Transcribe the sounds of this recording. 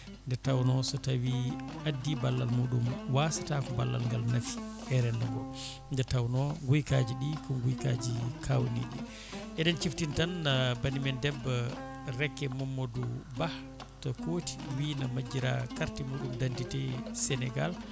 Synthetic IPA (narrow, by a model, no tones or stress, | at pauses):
ndɛɾtawnɔsɔtawiadːibalːalmuːɗumwasatakɔbalːa̰lŋɡalnafi̥ | ɛɾɛnːabɔ | ndɛɾtawnɔŋɡujkad͡ʒiɗikɔɡujka̰d͡ʒikʰawnḭɗi | ʔɛɗɛnt͡ʃiftintanːabanimɛndɛbːa | ɾɛkːɛmɔmːodubah | tɔkoti̥winamad͡ʒːiɾa̰kaɾtɛmuːɗumdanditɛsɛnɛɡa̰l